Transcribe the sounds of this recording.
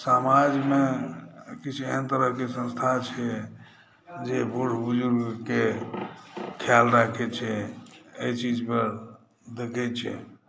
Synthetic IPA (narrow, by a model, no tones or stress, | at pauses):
samad͡ʒme | kit͡ʃʰeɦənt̪əɾəɦkesə̃nst̪ʰat͡ʃʰɛ | d͡ʒebʱuɽ̤bud͡ʒuɾɡke | kʰjalɾakʰɛt͡ʃʰɛejt͡ʃid͡ʒpəɾ | d̪ekʰɛt͡ʃʰɛ̰